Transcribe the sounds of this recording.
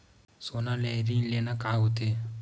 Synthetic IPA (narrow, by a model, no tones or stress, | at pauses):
sonalɛɾiŋlenakaɦut̪e